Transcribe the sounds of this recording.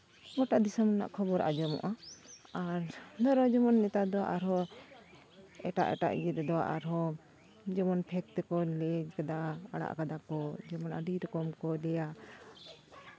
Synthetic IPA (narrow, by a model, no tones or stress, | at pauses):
ɡɔʈaʔd̪isɔmna̰ʔkʰɔbɔɾʔa̰d͡ʒɔmɔ̰ʔaaɾd̪ɔɾɔd͡ʒɔmɔnːɛt̪ad̪ɔwa̰ʔaɾɦɔ | ɛʈa̰ʔɛ̰ʈa̰ʔɛt̪ɛd̪ɔwa̰ʔaɾɦɔ | d͡ʒɔmɔnpʰɛk̚t̪ɛkɔlɛd͡ʒkad̪aaɽa̰ʔkad̪akɔd͡ʒɔmɔna̰ɖiɾɔkɔmkɔlɛja